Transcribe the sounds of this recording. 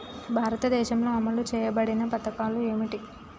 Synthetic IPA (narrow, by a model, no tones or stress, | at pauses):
bʱaːɾɐt̪ɐd̪ɛːʃɐmlo̞ːɐmɐɭut͡ʃɛːjɐbɐɽinɐpɐt̪ɐkaːlue̞ːmiʈi